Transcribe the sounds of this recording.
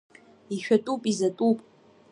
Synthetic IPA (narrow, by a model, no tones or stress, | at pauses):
iʃᶣatʼupʼizɐtʼupʼ